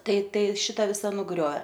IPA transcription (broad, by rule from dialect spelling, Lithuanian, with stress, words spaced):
ˈtɐɪ ˈtɐɪ ˈʃʲɪtɐ ˈʋʲɪsɐ nʊˈɡrʲoːeː